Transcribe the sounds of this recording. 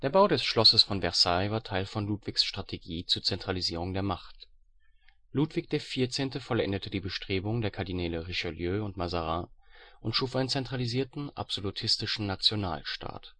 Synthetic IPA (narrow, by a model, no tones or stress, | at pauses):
d̥eːɐbaʊdɛsʃlɔsəsfɔnvɛɐsaɪvaːɐtʰaɪlfɔnluːtv̥ɪçsʃtʁ̥atʰeɡiːt͡suːɐt͡sɛntʁ̥aliziːʁ̞ʊŋdeːɐmaχt | luːtv̥ɪç̚d̥eːɐfiːɐt͡seːntəfɔlʔɛ̰ndətʰədiːbəʃtʁ̥eːbʊŋdeːɐkʰaɐdinɛːləʁɪʃaljøːʊntmazaʁãːʔʊntʃuːfʔaɪnənt͡sɛntʁ̥aliziːɐtn̩ʔa̰pz̥olutʰɪstɪʃn̩nat͡sjona̰ːlʃta̰ːt